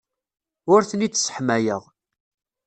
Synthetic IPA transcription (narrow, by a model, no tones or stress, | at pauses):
ʊɾθənit͡sːsə̥ħmæjəʁ